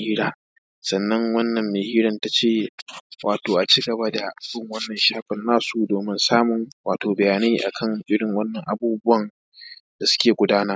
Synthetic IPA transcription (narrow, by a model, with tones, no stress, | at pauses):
hiː˦ɽaː˦ | sɐ˨nːɐ˦ŋwɐ˦nːɐ˨mːeː˨hiː˦ɽɐ˨nta˦t͡ʃeː˦˨wʔa̰ː˨toː˨ʔa˨t͡ʃiː˦ɡɐ˨ba˦da˨ʔa˨bɪ˦ŋwɐ˦nːɐ˨nʃaː˦ɸɪ˨nːaː˦su˨doː˨mɪ˦nsaː˦mʊ˨ŋwa̰ː˨toː˨bɐ˨jaː˨neː˦ʔa̰˨kʰɐ˦˨ŋʔɪ˦ɽɪ˨ŋwɐ˦nːɐ˨ŋʔa˨buː˦bʊ˦wɐ˦˨n | d̥a˨sʊ̥˦kʲeː˨ɡʷʊ˦daː˦naː˦